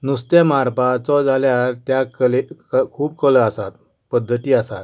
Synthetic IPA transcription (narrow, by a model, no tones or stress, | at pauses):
nust̪jamaɾpat͡sɔd͡zaljaɾt̪jaklekʰuːpkələasat̪̚ | pəd̪ʱːət̪iːasa̰t̪